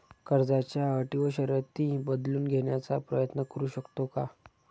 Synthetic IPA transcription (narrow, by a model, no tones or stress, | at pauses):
kəɾd͡zat͡ɕjaəʈiʋəɕəɾjət̪iːbəd̪luːnɡʱeɳjat͡sapɾəjət̪nəkəɾuːɕəkt̪oka